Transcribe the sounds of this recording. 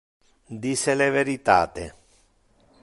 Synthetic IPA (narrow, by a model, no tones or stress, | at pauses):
d̪iseleveɾit̪a̰ːt̪e